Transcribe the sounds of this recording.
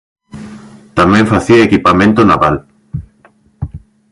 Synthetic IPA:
t̪amẽɱfaθiɐekipamẽnt̪onaβal

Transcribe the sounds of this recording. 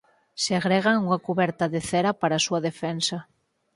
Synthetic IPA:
seaɣɾeɣaŋuŋakuβɛɾt̪aðeθeɾapaɾasuɐðefɛnsa

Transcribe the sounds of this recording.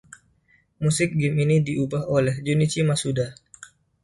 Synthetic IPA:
musɪk̚ɡɪminidiubaɦolɛhd͡ʒunit͡ʃimasuda

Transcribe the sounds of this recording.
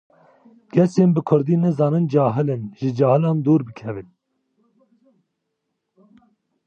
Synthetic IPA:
ɡɛseːnbɨkʰʊɾd̪iːnɨzɑːnɨnd͡ʒɑːɦɨlɨnʒɨd͡ʒɑːhɨlɑːnd̪uːɾbɨkʰɛvɨn

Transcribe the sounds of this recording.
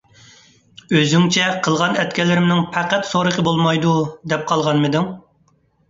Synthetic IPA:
øzyŋt͡ʃʰɛqʰəlˠʁɑnɛt̪̚kʲɛlɪɾɪmnɪŋpʰæqæt̪soɾəqʰəbolˠmɑjd̪ud̪ɛp̚qʰɑlˠʁɑnmɨd̪ɪŋ

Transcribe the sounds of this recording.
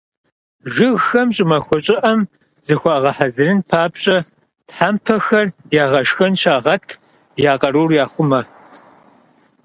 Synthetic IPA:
ʒɨɣxɐmt͡ʃʼɪmɐxʷɔt͡ʃʼɪʔɐm | zɨxʷɑʁɐħazɨrɨnpʰaːpɕʼɐ | tħaːmpʰɐxɐrjaːʁɐʃxɐnʃaːʁɐtʰ | jaːqɐɾuːrjaːχʷʊmɐ

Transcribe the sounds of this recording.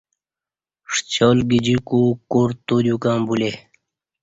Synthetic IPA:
ʂt͡ɕoːlɡid͡ʑikuːkoːɾt̪oːd̪jukãːmbule

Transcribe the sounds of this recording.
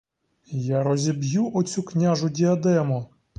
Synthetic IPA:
jaɾɔzʲibjuʔɔt͡sʲuknʲaʒʊdʲiɐd̪ɛmɔ

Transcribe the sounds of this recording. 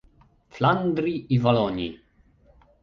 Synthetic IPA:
fland̪ɾiivalɔɲḭ

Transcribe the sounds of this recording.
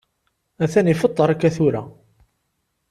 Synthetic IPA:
æθænifət̪ˤːəɾˤakːæθuɾæ̰

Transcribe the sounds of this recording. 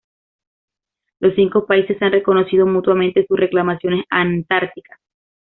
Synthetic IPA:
lo̞sːiŋko̞paise̞sanre̞ko̞no̞siðo̞mut̪wamẽnt̪e̞susre̞klamasjo̞nesant̪aɾt̪ikḁs

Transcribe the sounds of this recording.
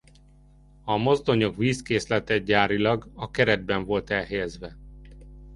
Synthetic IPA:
ɒmo̞zd̪o̞ɲo̞kviːskeːslɛt̪ɛɟaːɾilɒɡɒkɛɾɛd̪̚bɛɱvo̞lt̪ɛlɦɛjɛzʋɛ

